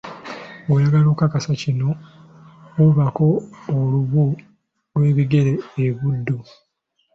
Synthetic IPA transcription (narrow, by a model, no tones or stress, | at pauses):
wojaɡaloːkakasacino̞ | oβako̞ːluβu | lwe̞ːβiɡe̞ɾe̞ːβudːu